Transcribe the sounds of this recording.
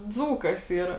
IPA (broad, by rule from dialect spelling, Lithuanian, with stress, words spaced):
ˈd͡zuːkɐs ˈiːrɐ